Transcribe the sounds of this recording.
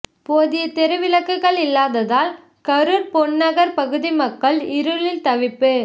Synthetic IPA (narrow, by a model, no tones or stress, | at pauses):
poːðɪjɐt̪ɛɾɯʋɪlɐkːɯɣɐɭɪlːaːðɐðaːl | kɐɾɯɾpɔɳːɐɣɐɾpɐɣɯðimɐkːɐɭɪɾɯɭɪlt̪ɐʋɪpːɯ